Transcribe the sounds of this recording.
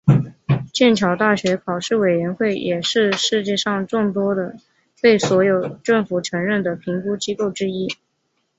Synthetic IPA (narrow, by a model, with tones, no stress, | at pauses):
t͡ɕjɛ˥˩nt͡ɕʰjɑ˧˥ʊt̪a˥˩ɕɥɛ˧˥kʰɑ˨˩ʊʂɻ̩˥˩we˨˩ɪɥɛ˧˥nxwe˥˩ɪjɛ˨˩ʂɻ̩˥˧ʂɻ̩˥˧t͡ɕjɛ˥˧ʂɑ˥˧ŋʈ͡ʂʊ˥˩ŋt̪wɔ˥d̪ə˨ | t̪e˥˩ɪswɔ˧˥jo˨˩ʊʈ͡ʂɤ˥˩ŋfu˨˩ʈ͡ʂʰɤ˧˥ŋɻə˥˩nd̪ə˩pʰi˧˥ŋku˥t͡ɕi˥ko˥˩ʊʈ͡ʂɻ̩˥i˥